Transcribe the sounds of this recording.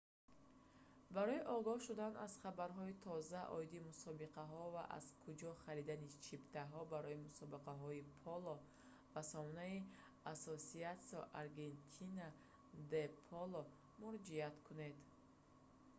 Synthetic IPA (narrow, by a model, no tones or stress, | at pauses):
baɾɔiʔɔɡɔhʃud̪anaz̥χabaɾɦɔit̪ʰɔzaʔɔ̰id̪imusɔbiqʰaɦɔva̰ʔa̰z̥kʰud͡ʒɔχaɾid̪anit͡ʃʰibt̪ʰaɦɔbaɾɔimusɔbiqaɦɔipʰɔlɔ | vasɔmɔnai | asɔsiat̪sɔʔaɾɡe̞nt̪ʰina | d̪epʰɔlɔ | muɾɔd͡ʒiat̪kʰune̞d̪